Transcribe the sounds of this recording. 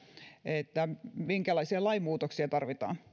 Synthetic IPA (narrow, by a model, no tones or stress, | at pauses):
et̪ːæmiŋkælɑisiɑlɑimuːt̪oksiɑt̪ɑrʋit̪ɑ̰ːn